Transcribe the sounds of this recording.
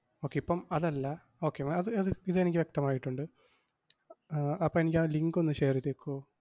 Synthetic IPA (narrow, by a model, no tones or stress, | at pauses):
o̞ːkːe̞ipːɐmɐðɐlːɐ | o̞ːkːemaɐðɨɐðɨiðɨe̞nikʲːiʋjek̚t̪ɐmaːjiʈːuɳɖɨ | ɐpːomenikʲːaːliŋɡo̞nːɨɕeːrit̪ːekːuoː